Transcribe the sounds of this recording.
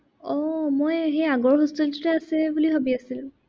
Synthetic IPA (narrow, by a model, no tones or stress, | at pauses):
ɔmojɦejaɡɔɹɦostɔlzɔtɛasɛbuliɦobiasil